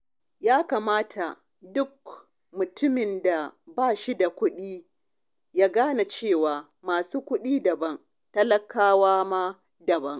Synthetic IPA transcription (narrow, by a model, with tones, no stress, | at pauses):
jaː˦kaː˨maː˦tʰa˨ | dʊ˦k̚ | mʊ˨tʰʊ˦mɪ˨nda˨baː˦˨ʃi˦da˨kʷʊ˦ɗiː˦ | jaː˦ɡaː˦na˨t͡ʃeː˦˨waː˨ | maː˨suː˦kʷʊ˦ɗiː˦dɐ˨bɐ˦n | tɐ˦lɐ˦˨kaː˦waː˦maː˦ | dɐ˨bɐ˦ŋ